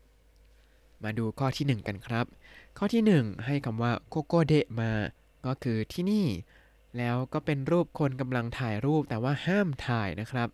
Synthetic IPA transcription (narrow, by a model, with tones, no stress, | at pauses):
maː˧duː˧kʰɔː˥˩t̪ʰiː˥˩nɯ˨˩ŋka˧nkʰɾa˦˥p̚kʰɔː˥˩t̪ʰiː˥˩nɯ˨˩ŋɦa˥˩jkʰa˧mwaː˥˩koː˥˩koː˥˩de˦˥˩ʔmaː˧ | kɔː˥˩kʰɯː˧t̪ʰiː˥˩niː˥˩ | lɛː˦˥wkɔː˥˩pe˧nɾuː˥˩p̚kʰo˧nka˧mla˧ŋt̪ʰaː˨˩jɾuː˥˩p̚t̪ɛː˨˩waː˥˩haː˥˩mt̪ʰaː˨˩jna˦˥kʰɾa˦˥p̚